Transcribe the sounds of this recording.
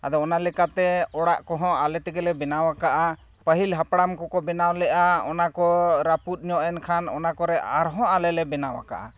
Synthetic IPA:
ad̪ɔɔnalɛkat̪ɛɔɽaʔkɔɦɔ̃alɛt̪ɛɡɛlɛbɛnawakaʔa | pəɦilɦapɽamkɔkɔbɛnawlɛʔaɔnakɔɾaput̪̚ˀɲɔʔɛnkʰanɔ̰nakɔɾɛa̰ɾɦɔ̃ʔalɛlɛbɛnawa̰ka̰ʔa̰

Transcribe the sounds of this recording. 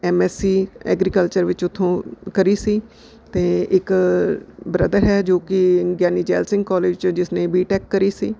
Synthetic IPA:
ɛːmɛːsiːɛ̰ːɡɾiːkəlt͡ʃəɾʋɪt͡ʃʊt̪ʰːõːkəɾiːsiː | t̪eːɪk | bɾəd̪əɾɦɛːd͡ʒoːkɪɡɛːniːd͡ʒɛːlsɪ̃ŋɡkɔːleːd͡ʒt͡ʃd͡ʒɪsneːbiːʈɛːkːəɾiːsiː

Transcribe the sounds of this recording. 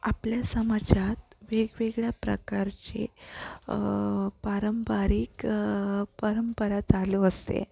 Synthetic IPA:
apljasəmad͡ʑat̪̚ʋeɡʋeɡɭjapɾə̰kaɾt͡ɕḛ | paɾəmpaɾik | pəɾəmpəɾad͡zaloəst̪ḛ

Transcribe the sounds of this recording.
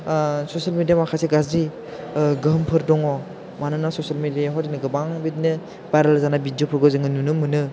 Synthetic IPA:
sosalmedijamakʰaseɡazi | ɡɯɦɯmpʰɯɾdɔŋɔ | manɯnasosalmediajaɦɔdinɯɡɯbaŋbidinɯ | bajɾalazanabid͡ʒopʰɯɾɡɯzɯŋɯnunɯmɯnɯ

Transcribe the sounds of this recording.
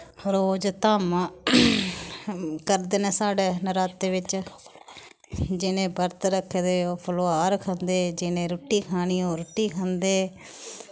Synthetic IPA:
ɾoːd͡ʒt̪aːmː | kəɾd̪eːneːsaːɖeːnəɾaːt̪ːeːʋɪt͡ʃ | d͡ʒɪnẽːbəɾt̪ɾəkʰːed̪eːoːpʰəloːaːɾkʰə̃nd̪eːd͡ʒɪnẽːɾʊʈːiːkʰaːɽ̃iːoːɾʊʈːiːkʰãnd̪eː

